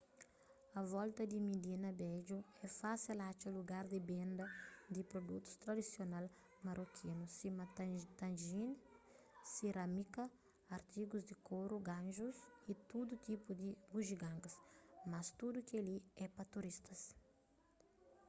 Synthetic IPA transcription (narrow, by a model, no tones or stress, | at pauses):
ɐvɔlt̪ɐd̪imid̪inɐbɛd͡ʒuɛfasilat͡ʃɐluɡaɾd̪ɪbẽnd̪ɐd̪ipɾod̪ut̪u̥st̪ɾɐd̪isjonal | mɐɾokʰinusimɐt̪ãnʒin | siɾamikɐː | ɾt̪iɡuzd̪ikʰoɾuɡãnʒusit̪ud̪ut̪ipud̪ibuʒiɡãŋɡɐsmɐst̪ud̪ukeliɛpɐt̪uɾist̪ɐs